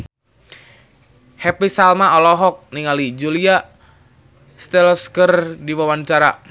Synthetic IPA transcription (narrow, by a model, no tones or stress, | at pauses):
hɛpisalmaɔlɔɦɔk̚niŋalid͡ʒulia | st̪ɛlɔskərdiwawant͡ʃaɾa̰